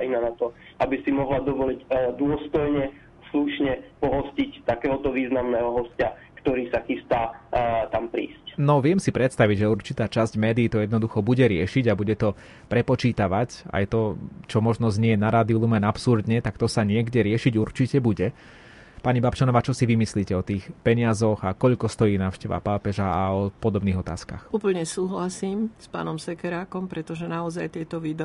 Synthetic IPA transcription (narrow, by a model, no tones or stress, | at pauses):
ainanat̪ɔ | ʔabisimɔɦlad̪ɔʋɔlicd̪ʊɔst̪ɔjɲɛ | sluʃɲɛpɔɦɔscict̪akɛːɦɔt̪ɔʋiːznamnɛːɦɔɦɔsca | kt̪ɔɾiːsaxist̪aːt̪ampɾḭːscnɔʋɪɛmsipɾɛt̪st̪aʋiɟʒɛurt͡ʃit̪aːt͡ʃazɟmɛːd̪iːt̪ɔjɛd̪nɔd̪uxɔbuɟɛɾɪɛʃiɟabuɟɛt̪ɔ | pɾɛpɔt͡ʃiːt̪aʋaca̰jt̪ɔt͡ʃɔmɔʒnɔzɲɪɛjɛnaɾaːd̪iulˠumɛnapsuɾd̪ɲɛt̪akt̪ɔsaɲɪɛɡɟɛɾɪɛʃiɟuɾt͡ʃicɛbuɟɛ | paɲibapt͡ʃanɔʋaːt͡ʃɔsiʋimisliːcɛɔt̪iːxpɛɲɪazɔɣakɔʎkɔst̪ɔjiːnaːʊʃcɛʋa̰papɛʒaaɔpɔd̪ɔbniːɣɔt̪aːska̰xuːpl̩ɲɛsuːɦlasimspa̰ːnɔmsɛkɛɾaːkɔmpɾɛt̪ɔʒɛnaɔzajt̪ɪɛt̪ɔʋiːd̪